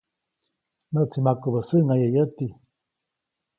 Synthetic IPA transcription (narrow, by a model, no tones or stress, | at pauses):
nəʔt͡simakubəsɨŋajəjət̪i